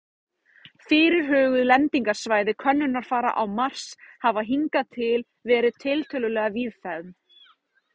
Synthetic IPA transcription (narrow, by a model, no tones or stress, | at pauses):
fɪːɾɪɾ̥ɦœːɣʏðlɛnt̪iŋkaɾ̥svaːjðɪkʰvœnːʏnːaɾ̥faːɾa̰ʔawmar̥shavaðɦiŋkat̪ʰɪl | vɛːɾɪðt̪ʰɪlt̪ʰœlʏlɛːɣaviðfɛðm